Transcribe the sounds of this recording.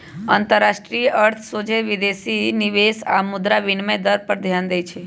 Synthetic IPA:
a̰ːnt̪əɾːaʃʈɾijəʔəɾt̪ʰsod͡ʒeʋid̪esiniʋesa̰mʊd̪ɾaʋɪnmẽd̪əɾpəɾd̪ʱjand̪əjt͡ʃʰe

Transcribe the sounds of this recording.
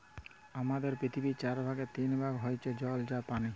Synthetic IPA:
amad̪eɾpɾit̪ʰibit͡ɕaɾbʱaɡet̪inbʱaɡɦojt͡ɕʰed͡ʑɔld͡ʑapani

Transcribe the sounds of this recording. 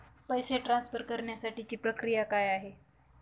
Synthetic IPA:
pəjseʈɾãnsfəɾkəɾɳjasaʈit͡ɕiːpɾəkɾijakajaɦe

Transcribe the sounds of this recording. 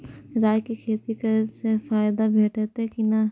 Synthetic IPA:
ɾaːjkikʰeːt̪ikasefaːjd̪abʱeːʈet̪ɛkina

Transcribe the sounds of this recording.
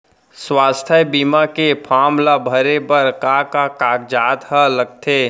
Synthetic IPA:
swaːst̪ʰəbiːmakepʰaːmlabʱəɾebəɾkakakaːkd͡ʒaːt̪ɦə̃ləɡ̚t̪ʰeː

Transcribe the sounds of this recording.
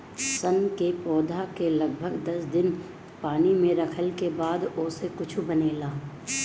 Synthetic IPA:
sɐnkepɔːd̪ʱakelɐɡbʱəɡd̪ɐsd̪ɪn | paːnimẽɾɐkʰəlkebaːd̪oːsekʊt͡ʃʰubɐneːlaː

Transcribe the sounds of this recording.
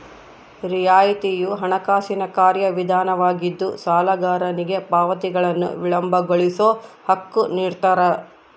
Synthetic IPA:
ɾijaːjit̪ijuɦɐɳɐkaːsinɐkaːɾjɐʋid̪ʱaːnɐʋaːɡid̪ːusaːlɐɡaːɾɐniɡe̞paːʋɐt̪iɡɐɭɐnːṵʋiɭɐmbʱɐɡoɭisoːhɐkːuniːɾt̪ɐɾɐ

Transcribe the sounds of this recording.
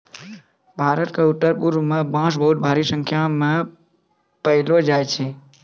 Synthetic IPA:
bʱaːɾət̪kaʊt̪ːəɾpuɾʋmãbãːʃ̬bəɦut̪̚bʱaɾisə̃ŋkʰjamã | pəɦɪlod͡ʒajt͡ʃʰe

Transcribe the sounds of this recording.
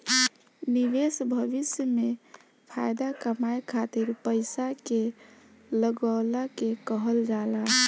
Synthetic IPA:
niʋesbʱəʋisjəme | pʰajd̪akəmajkʰat̪iɾpəɪsake | ləɡəlakekəɦəld͡ʒala

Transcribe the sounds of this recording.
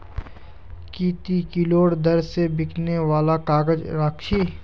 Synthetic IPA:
kiːt̪ikɪloːɽd̪ɐɾsebɪkʰneʋaːlakaːɡəd͡ʒɾaːkʃiː

